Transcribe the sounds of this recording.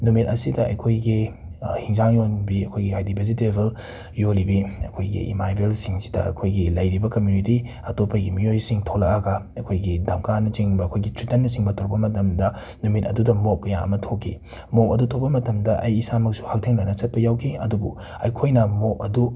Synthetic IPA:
numit̚ɐsidɐʔɐ̰jkʰojɡi | hiŋzaŋjonbiɐkʰojɡihajdibʰʱizitebɐl | jolibiɐ̰kʰojɡḭʔḭmajbelsiŋsi̥dɐ̰ɐ̰kʰojɡilɐjɾibɐkɐmjuniti | ɐtopʰːɐɡimijojsiŋtʰolɐ̰kaɡɐ | ɐkʰojɡidamkanɐt͡ʃiŋbɐɐkʰojɡitɾitɐnːɐsiŋbɐtʰok̚pɐmɐtɐmdɐ | numitɐ̰dudɐmop̚kːɐjaɐ̰mɐtʰokʰːḭ | mokɐdutʰok̚pɐmɐtɐmdɐʔɐjːsamɐk̚su̥hak̚tʰeŋlɐnɐt͡ʃɐt̚pɐjawkʰiɐdubṵ | ɐjkʰojnɐmok̚ɐdu

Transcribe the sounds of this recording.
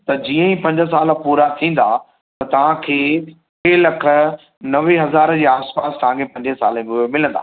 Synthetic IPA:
t̪ɐd͡ʑiːə̃ĩpɐ̃ɲd͡ʑə̆s̬aːləpuːɾat̪ʰĩːn̆d̪a̰ː | t̪ɐt̪ɐʋ̤ãkʰeː | elɐkʰə̆ | nɐʋeɦɐzaːɾd͡ʑiːaːspaːst̪ɐʋ̤ãkʰepɐ̃ɲd͡ʑẽsa̰ːlmumɪlə̃nd̪a̰ː

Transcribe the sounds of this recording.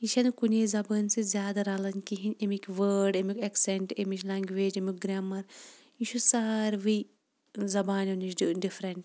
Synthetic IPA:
iʃɐnkuneːzɐbɐnsizʲjaːd̪ɐɾaːlɐnkiɦinʲemikʋəːɾɖemikʲɐkseɳʈemit͡ʃlaŋɡʋeːd͡ʒemikʲɡɾaːmɐɾ | iʃʰusaːɾʋi | zɐbaːnɐnit͡ʃɖifɾɐɳʈ

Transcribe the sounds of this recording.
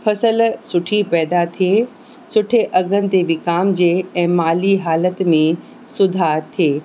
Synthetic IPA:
fʰɐsəlsʊʈʰipɛːd̪at̪ʰieː | sʊʈʰeʔɐɡʱənɪ̆t̪eʋɪkaːmd͡ʑeːɛ̃ːmaːliɦaːlət̪mẽ | sʊd̪ʱaːt̪ʰijeː

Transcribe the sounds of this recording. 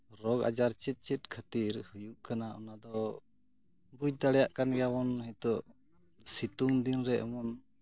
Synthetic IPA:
ɾɔɡa̰d͡ʒaɾt͡ʃit̪̚ˀt͡ʃit̪̚kʰat̪iɾhujuʔkanaɔnad̪ɔ | bud͡ʒt̪aɽɛjaʔkanɡawɔnɦɛt̪ɔʔ | sit̪uŋd̪inɾɛɛ̰mɔn

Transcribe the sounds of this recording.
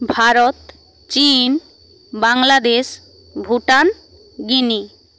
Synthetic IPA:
bʱaɾot̪ | t͡ɕin | baŋlad̪eʃ | bʱuʈan | ɡini

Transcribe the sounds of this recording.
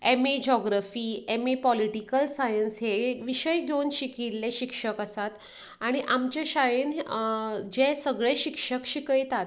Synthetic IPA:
emid͡ʑɔɡɾafiːemipɔliʈikəlsajənsɦeʋiɕəjɡʱjewnɕikiɾleɕikʂəkəsat̪ | aɽ̃iʔamt͡ɕaɕajən | d͡ʑẽsəɡɭẽɕikʂəkɕikəjt̪at̪

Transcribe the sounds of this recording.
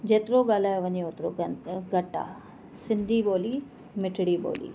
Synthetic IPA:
d͡ʑeːt̪ɪɾoɡaːlaːjoʋɐɲeot̪ɾo̰ɡɐʈa̰ː | sɪ̃nd̪ʱiɓoːli | mɪʈʰɽibo̰ːlḭː

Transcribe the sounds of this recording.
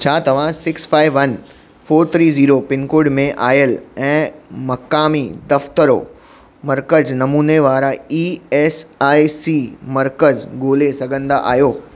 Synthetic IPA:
t͡ɕʰaːt̪ɐʋ̤ãsɪksfaːɪʋːɐn | foːɾt̪ʰɾiːziːɾopɪnkʊɖmẽʔaːjəlɛ̃ːmɐkaːmid̪ɐft̪əɾo̰ | mɐɾkəznɐmuːneʋaːɾaiːɛːsaːisiːmɐɾkəzɡoːlesɐɡʱə̃nd̪a̰ʔa̰ːjoː

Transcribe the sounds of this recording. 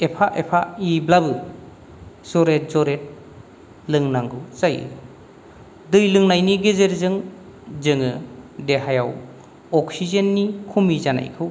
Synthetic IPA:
epʰaʔepʰaiblabɯ | zɔɾet̚zɔɾet̚ | lɯŋnaŋɡɯwzajɯ̰ | dɯjlɯŋnajniɡezeɾzɯŋ | zɯŋɯdeɦajaw | ɔk̚sizenːikʰumizana̰jkʰɯw

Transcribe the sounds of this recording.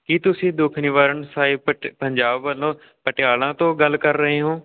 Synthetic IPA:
kiːt̪ʊsĩːd̪ʊkʰnɪʋaːɾəɳsaːiːpəɲd͡ʒaːbːəlõː | pəʈɪaːlãːt̪õːɡəlkəɾːəɦeːɦõː

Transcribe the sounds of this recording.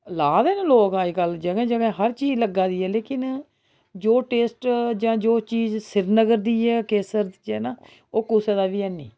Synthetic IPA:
laːd̪ɛːnẽloːkaːikəld͡ʒəɡɛ̃ːd͡ʒəɡɛ̃ːɦəɾt͡ʃiːd͡ʒləɡaːd̪iːɛːleːkɪn | d͡ʒoːʈeːsʈd͡ʒãːd͡ʒoːt͡ʃiːzsɪɾnəɡəɾd̪iːɛːkeːsəɾd̪ɛːnaː | oːkuseːd̪aːʋiːɛːnːḭː

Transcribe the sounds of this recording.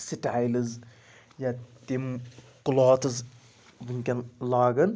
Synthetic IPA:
siʈajlɨz | jat̪im | kʊlaːt̪ʰɨz | ʋɨŋkʲɐnlaːɡɐn

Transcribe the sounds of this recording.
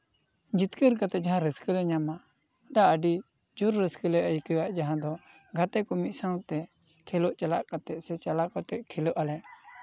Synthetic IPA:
d͡ʒit̪kəɾkat̪ɛd͡ʒaɦãɾəskəlɛɲama | d̪aəɖi | d͡ʒuɾːəskəlɛʔəjkəwaʔd͡ʒaɦãd̪ɔ | ɡʱat̪ɛkɔmit̪̚sãwt̪ɛ | kʰɛlɔʔt͡ʃalaʔkat̪ɛʔsɛt͡ʃalakɔt̪ɛkʰɛlɔʔalɛʔ

